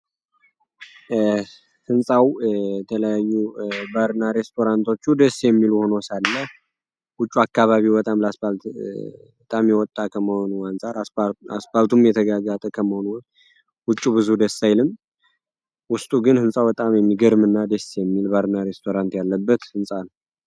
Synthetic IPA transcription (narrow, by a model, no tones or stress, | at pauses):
hɨnsʼawjɛt̪ʰələjajːubaɾɨnaɾe̞st̪ʰo̞ɾant̪ʰo̞t͡ʃːud̪əsjɛmːiluhonosalːəh | wʊt͡ʃʼːuakːaβaβibət̪ʼamləaspal | t̪ʼamjɛwɔt̪ʼːakʰəməho̞nuansʼaɾa̰spalt̪ʰumjɛt̪ʰəɡaɡat̪ʼəkʰəməhonu | wʊt͡ʃʼːubɨzud̪əsːajlɨm | wʊst̪ʼuɡɨnhɨnsʼawbət̪ʼamjɛmːiɡəɾmɨnːad̪əsjɛmːilbaɾɨnaɾe̞st̪ʰo̞ɾant̪jalːəbːət̪hɨnsʼan